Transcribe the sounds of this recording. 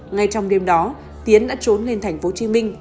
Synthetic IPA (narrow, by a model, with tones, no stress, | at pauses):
ŋa˧jt͡ɕɔ˧wŋ͡mɗe˧mɗɔ˨˦ | t̪i˨˦ənɗa̰ː˧˥t͡ɕo˨˦nle˧nt̪ʰa˧˩jŋ̟fo˨˦t͡ɕi˨˦mï˧ŋ̟